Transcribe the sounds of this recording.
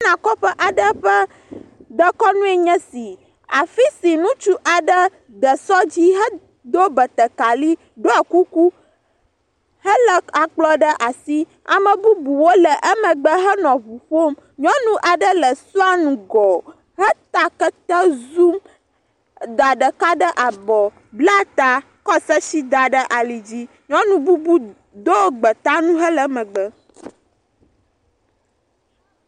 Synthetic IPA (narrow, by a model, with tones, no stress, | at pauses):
nã˨kɔ˦ɸɛ˦ʔa˨ɖə˦ɸə˦ | d̪ə˦kɔ˦nũ˦ɛ˦˨ɲɛ̃˦si˨ | a˨fi˦si˨nũ˦t͡ʃu˦ʔa˨ɖə˦ | d̪ə˨sɔ˦d͡ʑi˦ɦə˦ | d̪o˦bə˨t̪ə˨ka˨li˦ | ɖo˦ɛ˨ku˦ku˦ | hə˦lɛ˨a˨k͡plɔ˦ɖə˦ʔa˨si˦ | a̰˨mɛ̃˨bu˦bu˨wo˦lɛ˨ʔɛ˦mɛ̃˨ɡ͡bə˦ɦə˦nɔ̃˨βu˨ɸo˦m | ɲɔ̃˦nũ˦ʔa˨ɖə˦lə˨su˦a˦nũ˨ɡɔ˨ | ɦə˦t̪a˦kə˦t̪ɛ˦zu˦m | d̪a˨ɖə˨ka˦ɖə˦ʔa˨bɔ˨ | bla˦t̪a˦ | kɔ˦sə˦si˦d̪a˨ɖə˦ʔa˨li˨d͡ʑi˦ | ɲɔ̃˦nũ˦bu˦bu˦ | d̪o˦ɡ͡bə˨t̪a˦nũ˦ɦə˦lə˨mə̃˨ɡ͡bə˦